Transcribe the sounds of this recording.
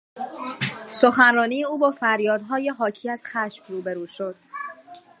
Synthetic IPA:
soxænrɒːniːjeuːbɒːfæɾjɒːd̪ɦɒːje̞ɦɒːcʰiːæz̥xæʃmruːbeɾuːʃo̞d̪̥

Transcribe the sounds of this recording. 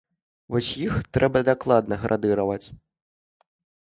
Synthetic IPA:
vɔsʲjixt̪ɾɛbɐd̪aklˠad̪nɐɣɾʔad̪ɨɾɐvɐt͡sʲ

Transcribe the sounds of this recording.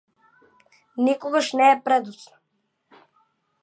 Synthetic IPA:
nikɔɡaʃnɛːpɾɛd̪usnɔ̥

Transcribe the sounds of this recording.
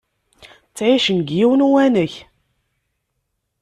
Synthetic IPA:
t͡sːʕiʃənɡjiwnuwænəç

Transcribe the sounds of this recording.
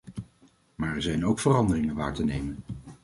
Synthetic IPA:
maːɹɛɹzɛjnowkfərɑndərɪŋənʋa̰ːɹtənejmən

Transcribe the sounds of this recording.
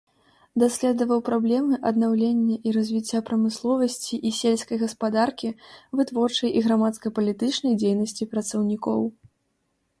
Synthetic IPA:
d̪asʲlʲɛd̪ɐvɐwpɾablʲɛmɨʔɐd̪nawlʲenʲːɐʔiɾɐzʲvʲit͡sʲːapɾɐmɨslˠɔvɐsʲt͡sʲiʔisʲelʲskɐjɣɐspad̪arkʲivɨt̪vɔrt͡ʂɐjʔiɣɾamat̪skɐpɐlʲit̪ɨt͡ʂnɐjd͡zʲejnɐsʲt͡sʲipɾɐt̪sɐwnʲikɔ̰w

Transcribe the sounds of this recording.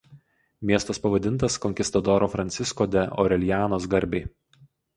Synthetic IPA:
mʲiɛst̪ɐspɐʋɐd̪ʲɪnt̪ɐskɔŋʲkʲɪst̪ɐd̪ɔɾoːfɾɐnʲsʲɪskoːd̪ʲɛʔɔ̰ɾʲɛlʲjæːnoːs̬ɡɐɾʲbʲeɪ

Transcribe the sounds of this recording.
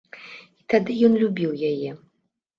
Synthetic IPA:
it̪ad̪ɨjɔnlʲubʲiwjajɛ

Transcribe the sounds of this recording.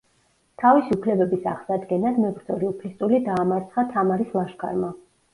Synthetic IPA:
t̪ʰavisiupʰlɛbɛbisaʁsad̪ɡɛnad̪mɛbɾd̪zɔɾiupʰlist̪ʼulid̪aːmaɾt̪sʰχat̪ʰamaɾislˠaʃkʰa̰ɾma

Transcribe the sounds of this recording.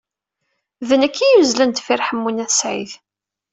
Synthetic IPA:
vənækʰːijuzlənt̪fɪɾħəmːunæθsʕḭθ

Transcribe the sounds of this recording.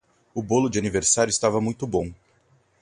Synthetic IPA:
ʊbolʊd͡ʒɪaniveɾsaɾjʊɪist̪avɐmũj̃t̪ʊbõw̃

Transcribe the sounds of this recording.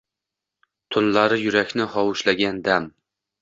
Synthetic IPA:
t̪ʰʊnlaɾɪjʊɾakʲnɪhɒwʊʃlaɡʲand̪am

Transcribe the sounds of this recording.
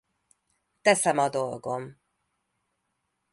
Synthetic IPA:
t̪ɛsɛmɒd̪o̞lɡo̞m

